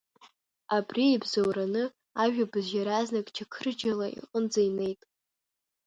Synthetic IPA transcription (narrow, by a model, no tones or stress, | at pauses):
abriebzowɾanɨ | aʒᶣabɨzjaɾaznakʼt͡ʃʰakʰɨrd͡ʒalaḭqʼənd͡zajne̞jtʼ